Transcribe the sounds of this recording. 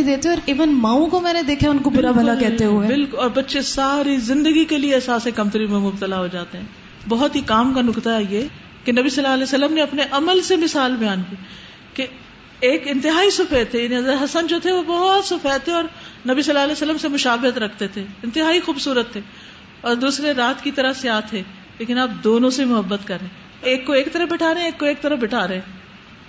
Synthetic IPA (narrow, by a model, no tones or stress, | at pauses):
d̪eːt̪eɔːɾiːʋənmãːũkomɛːned̪eːkʰaʊnkobʊɾabʱɐlakɛɦ̪eɦuebɪlkʊlɔːɾbɐtːʃesaːɾizɪ̃nd̪əɡikeliesaːsekɐmt̪əɾimẽmʊbt̪əlaɦod͡ʒaːt̪eɦɛ̃ː | bɔɦʊt̪ɦikaːmkanʊkt̪aɦɛjeː | kenɐbisɐlːaːɐlɛːsəlːəmneɐpneʔɐməlsemɪsaːlbɪjãːnki | ke | eːkɪ̃nt̪ɪɦaːisʊfɛːt̪ʰːejaːniɦɐzɾət̪ɦɐsənd͡ʒoːt̪ʰeʋobɔɦt̪sʊfɛːt̪ʰːeɔːɾnɐbisɐlːaːɐlɛːsəlːəmsemʊʃaːbɪɦət̪ɾɐkʰt̪et̪ʰeɪ̃nt̪ɪɦaːixuːbsuːɾət̪ʰːeː | ɔːɾd̪uːsɾeɾaːt̪kit̪ɐɾəseaːt̪ʰːe | leːkɪnaːp̚d̪oːnõsemʊɦəbːət̪kɐɾːẽː | eːkːoeːkt̪ɐɾəfbɪʈʰaːɾeɛ̃eːkːoeːk̚t̪ɐɾəfbɪʈʰaːɾeɛ̃